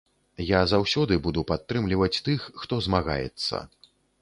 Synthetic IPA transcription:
jazawsʲɔd̪ɨbud̪upat̪ːɾɨmlʲivɐt͡sʲt̪ɨxːt̪ɔzmaɣa̰jɛ̰t̪sːɐ̰

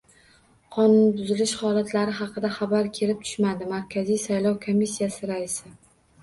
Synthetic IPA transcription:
qʰɒnʊnɪbʊzɪlɪʃχɒlˠat̪ʰlaɾɪɦɑqʰɨd̪aχɑbaɾkʲʰe̞lɪp̚t̪ʰʊ̥ʃmad̪ɪmaɾkʲʰazijsajlˠɒwkʰomːisːijasɪɾaɪsɪ

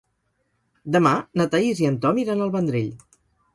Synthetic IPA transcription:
d̪əmanət̪aiziənt̪ɔmiɾanəlˠβənd̪ɾeʎ

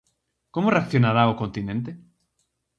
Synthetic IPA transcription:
komoreakθjonaɾaokont̪inẽnt̪e

